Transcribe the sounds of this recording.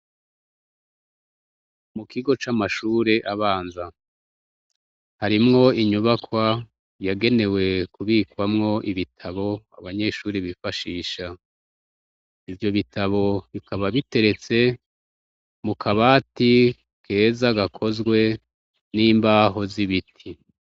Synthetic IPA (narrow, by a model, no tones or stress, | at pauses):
mukʰiɡo̞t͡ʃamaʃuːɾe̞ʔaβaːnza | haɾimŋo̞iɲuβakwa | jaɡe̞ne̞we̞kuβiːkwamŋo̞ʔiβitʰaβo̞a̰βaɲe̞ʃuːɾiβifaʃiːʃa | ivjo̞βitʰaβo̞βikʰaβaβite̞ɾe̞t͡se̞ | mukʰaβaːti | kʰe̞ːzaɡakʰo̞zɡwe̞ | niːmbaːɦo̞ziβitʰi